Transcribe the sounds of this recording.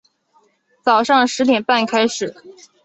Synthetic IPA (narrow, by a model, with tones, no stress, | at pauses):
t͡sɑ˨˩ʊʂɑ˥˩ŋʂɻ̩˧˥t̪jɛ˨˩npa˥˩nkʰa˥ɪʂɻ̩˨˩˦